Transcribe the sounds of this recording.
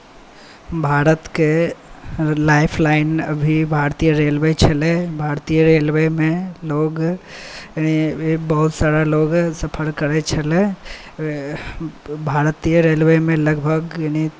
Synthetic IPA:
bʱaɾət̪ke | laɪpʰlaɪnəbʱibʱaɾt̪ijəɾelʋət͡ʃʰəlɛbʱaɾt̪ijəɾelʋemẽloɡ | janibəɦut̪saɾaloɡsəpʰəɾkəɾɛt͡ʃʰəlɛ | bʱaɾt̪ijəɾelʋemẽləɡbʱəɡjani

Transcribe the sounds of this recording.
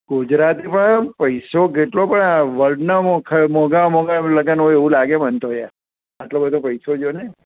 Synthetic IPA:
ɡud͡ʒɾat̪ipəɳpəjsokeʈlopəɳʋəɾɖnaokʰəmoɡamoɡaləɡanoeʋũlaɡebənt̪oɦja̰ | əʈlobəd̪ʱopəjsod͡ʒone

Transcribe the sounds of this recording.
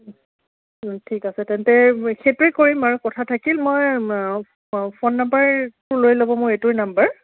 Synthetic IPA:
tʰikasɛtɛntɛxetɹikkːoɹimaɹukɔtʰatʰakilmoj | pʰonːambəɹtʊɹlojlobɔ̃mʊɹetʊɹnambəɹ

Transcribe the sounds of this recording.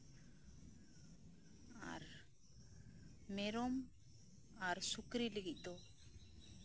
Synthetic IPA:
a̰ɾ | mɛɾɔm | aɾsukɾiliɡic̚ˀd̪ɔ

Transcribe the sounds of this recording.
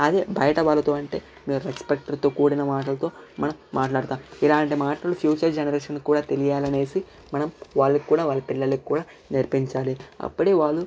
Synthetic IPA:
ɐd̪eːbɐjɐʈɐʋaːlːɐt̪o̞ːɐɳʈe̞ː | meːɾuekspek̚ʈɐɾt̪oːkuːɽinɐmaːʈ̬ɐlɐt̪o̞ːmɐnɐmːaːʈlaːɽt̪aːmilaːɳʈimaːʈɐlupʰjuːt͡ʃɐɾd͡ʒenɐɾeːʂɐnkuːɽaːt̪e̞lijaːlɐne̞ːsi | mɐnɐmʋaːɭːɐkkːuːɽaːʋaːlːɐpilːɐlːɐkʲkːuːɽaː | niɾpiɲt͡ʃaːliɐ̰pːuɽeːʋaːɭːu

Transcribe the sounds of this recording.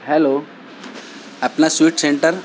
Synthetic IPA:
hɛlo | apnasʋiːʈseɳʈəɾ

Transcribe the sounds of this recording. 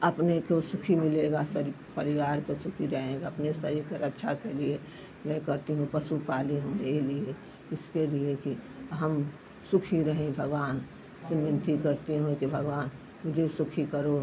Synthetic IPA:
əpnekosʊkʰimɪleɡasəɾi | pəɾɪʋaːɾkosʊkʰiɾəɦẽɡaɐpnesəɾikəɾətːʃʰakelie | mɛ̃kəɾt̪iɦũpəsupaːliɦũelie | ɪskelieki | ɦəm | sʊkʰiɾəɦẽbʱəɡʋaːn | semɪ̃nt̪ikəɾt̪eɦũkibʱəɡʋaːn | mʊd͡ʒʱesʊkʰikəɾo

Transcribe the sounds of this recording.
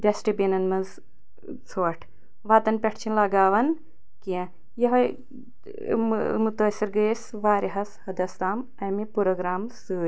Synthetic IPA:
ɖɐsʈibinɐnmɐz | t͡sʰoːʈʰ | ʋaːt̪ɐnpʲɐʈʰt͡ʃʰinlɐɡaːʋɐn | kiẽ | jɐɦɐ | mut̪ɐːsiɾɡɐs | ʋaːɾiɦɐshɐd̪ɐst̪aːm | ɐjmipuɾoɡɾaːmsɨːɾʲ

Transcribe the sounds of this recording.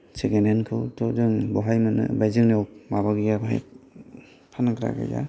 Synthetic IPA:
seɡenenkʰɯwtɔzɯŋbɔɦajmɯnɯ̰bajzɯŋnewmabaɡɯjabaa̰j | pʰanakʰɾa̰ɡa̰ja̰

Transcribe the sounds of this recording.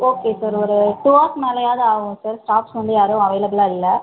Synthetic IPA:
oːkeːsaːɾɔɾɯʈuaːkmeːlɐjaːðaːʋʊ̃saɾsʈaːpsʋɐnd̪ɯjaːɾɯ̃ɐʋɐɪlɐbɪlaːɽɪlːɐ

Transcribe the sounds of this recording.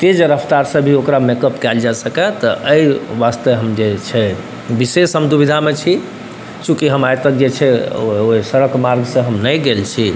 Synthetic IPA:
t̪ed͡ʒəɾəpʰt̪aɾsəbʱiokɾamekəpkɛld͡ʒasəkɛt̪ɔʔəjʋast̪əɦəmd͡ʒet͡ʃʰɛ | bisesɦəmd̪ubid̪ʱamet͡ʃʰi | t͡ʃũkiɦəmajt̪ək̚d͡ʒet͡ʃʰɛoisəɾəkmaɾɡsə̃ɦəmnəjɡelt͡ʃʰi

